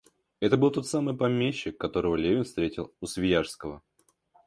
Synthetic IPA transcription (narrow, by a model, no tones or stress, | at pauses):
ɛt̪əbɨlˠt̪o̞t̪samɨjpɐmʲeɕːɪkːɐt̪o̞ɾəvəlʲevʲɪnfst̪ɾʲetʲɪlˠʊsvʲɪjaʂskəvə